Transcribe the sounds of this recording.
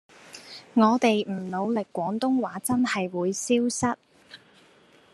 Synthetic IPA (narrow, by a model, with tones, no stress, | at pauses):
ŋɔː˨˧t̪e˨jm̩˨˩lo˨˧wlɪ˨kːʷɔː˨˥ŋt̪ʊ˥ŋwaː˨˥t͡sɐ˥nhɐ˨jwuː˨˧jsiː˥wsɐ˥t̚